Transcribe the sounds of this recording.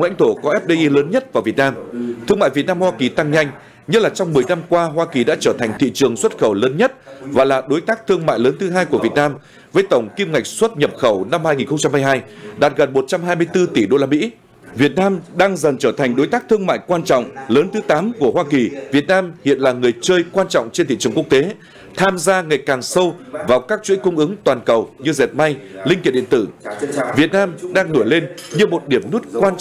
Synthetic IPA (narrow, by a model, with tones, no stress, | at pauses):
ŋlɛ̰˧˥jŋ̟t̪ʰo˧˩kɔ˨˦ʔɛ˦˥p̚ɗe˧ʔi˧ləː˨˦nɲə˦˥t̚vaː˨˩wvi˨˩ət̚naː˧mt̪ʰɨ˧əŋma̰ː˧˨vt̚naː˧mhwaː˧ki˨˩t̪a˧ŋɲa˧jŋ̟ | ɲə˦˥t̚laː˨˩t͡ɕɔ˧wŋ͡mmɨ˨˩əjna˧mkwaː˧ɦwaː˧ki˨˩ɗa̰ː˧˥t͡ɕəː˧˩t̪ʰa˨˩jŋ̟t̪ʰḭ˧˨t͡ɕɨ˨˩əŋswə˦˥t̚xə˧˩wləː˨˦nɲə˦˥t̚vaː˨˩laː˨˩ɗo˨˦jt̪aː˦˥k̚t̪ʰɨ˧əŋma̰ː˧˨jləː˨˦nt̪ʰɨ˨˦ɦaː˧jku˧˩əvi˨˩ət̚naː˧m | vəː˨˦jt̪ə˧˩wŋ͡mki˧mŋa˨˩jk̟̚swə˦˥t̚ɲə˨˩p̚xə˧˩wna˧mhaː˧jŋi˨˩nxə˧ŋ͡mt͡ɕa˧mhaː˧jɦaː˧jɗaː˨˩t̚ɣə˨˩nmo˨˩t̚t͡ɕa˧mɦaː˧jmɨ˧əjt̪ɨ˧t̪i˧˩ɗo˧laː˧mḭ˧˥ | vi˨˩ət̚naː˧mɗaː˧ŋzə˨˩nt͡ɕəː˧˩t̪ʰa˨˩ŋ̟ɗo˨˦jt̪aː˦˥k̚t̪ʰɨ˧əŋma̰ː˧˨jkwaː˧nt͡ɕɔ̰˧˨wŋ͡mləː˨˦nt̪ʰɨ˨˦t̪aː˨˦mku˧˩əhwaː˧ki˨˩vi˨˩ət̚naː˧mhḭ˧˨ənlaː˨˩ŋɨ˨˩əjt͡ɕəː˧jkwaː˧nt͡ɕɔ̰˧˨wŋ͡mt͡ɕe˧nt̪ḭ˧˨t͡ɕɨ˨˩ŋkwək̚t̪e˨˦ | t̪ʰaː˧mzaː˧ŋa˨˩jkaː˨˩ŋsə˧wvaː˨˩wkaː˦˥k̚t͡ɕwḭ˧˥kʊ˧wŋ͡mʔɨ˨˦ŋt̪waː˨˩nkə˨˩wɲɨ˧zɛ˨˩t̚ma˧jlï˧ŋ̟hi˧˩˨ɗḭ˧˨nt̪ɨ˧˩vi˨˩ət̚naː˧mɗaː˧ŋno˧˩jle˧nɲɨ˧mo˨˩t̚ɗi˧˩əmnu˦˥ət̚kwaː˧n